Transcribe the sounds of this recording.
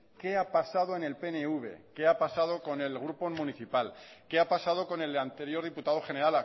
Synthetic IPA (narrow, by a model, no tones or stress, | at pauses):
ke̞apasaðo̞e̞ne̞lpe̞neuβe̞̰ke̞apasað̞o̞ko̞ne̞lɣ̞ɾupo̞muniθipalke̞apasað̞o̞ko̞ne̞lant̪e̞ɾjo̞ɾð̞iput̪aðo̞χe̞ne̞ɾala